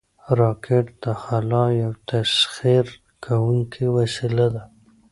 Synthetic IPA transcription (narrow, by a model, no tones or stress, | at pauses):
ɾɑkʰeʈ̚d̪əxalɑjawt̪asxiɾ | kʰawuŋkʰiwasilad̪a